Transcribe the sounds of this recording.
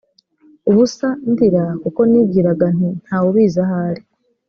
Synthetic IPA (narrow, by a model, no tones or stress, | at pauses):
uβusandiɾakuko̞niːbɡiːɾaɡan̥in̥haːwuβiːzahaɾi